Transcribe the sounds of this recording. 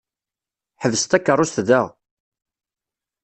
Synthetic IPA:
ħəvst̪ækːərˤːʊst̪ðəʁ

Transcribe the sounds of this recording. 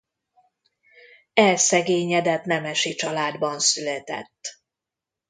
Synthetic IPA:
ɛlsɛɡeːɲɛd̪ɛt̪nɛmɛʃit͡ʃɒlaːd̪bɒnsylɛt̪ɛ̰t̪ː

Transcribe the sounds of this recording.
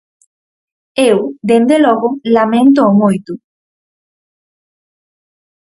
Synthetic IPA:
ewd̪end̪eloɣolamẽnt̪oːmojt̪u

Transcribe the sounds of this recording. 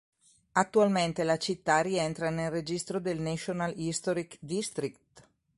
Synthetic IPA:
at̪ːualment̪elat͡ʃit̪ːariɛnt̪ɾanelred͡ʒist̪ɾod̪elnet͡ʃonalist̪oɾikd̪ist̪ɾikt̪

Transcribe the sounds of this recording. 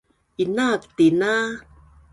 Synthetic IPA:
inak̚t̪ina

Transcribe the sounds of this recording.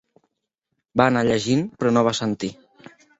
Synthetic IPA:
baːnaʎəʒinpɾɔnoβ̞asənt̪i

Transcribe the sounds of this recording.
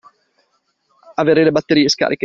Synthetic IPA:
aveːɾelebat̪ːeɾiːeska̰ːɾike

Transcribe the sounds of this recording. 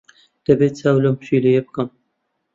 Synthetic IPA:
d̪̥ɐbeːt͡sʰaːwlɐmʃilejebɨkɐm

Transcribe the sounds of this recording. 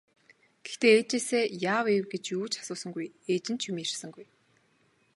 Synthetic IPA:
ɡ̥ext̪eːt͡ɕeːseːjaːwewɡet͡ɕjuːt͡ɕḁsʊːsə̆ŋɡujeːt͡ɕɪ̆n̥t͡ɕʰjumirsə̆ŋɡuj

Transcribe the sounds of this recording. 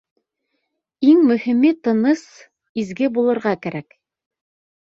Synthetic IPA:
iŋmɵ̆himit̪ɤ̆nɤs | izɡɘbulˠɤ̆ɾʁɑkæɾæk

